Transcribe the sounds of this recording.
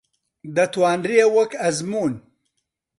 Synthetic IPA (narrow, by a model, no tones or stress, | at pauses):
d̪ɐt̪wɑːnɾiewɐkɐzmuːn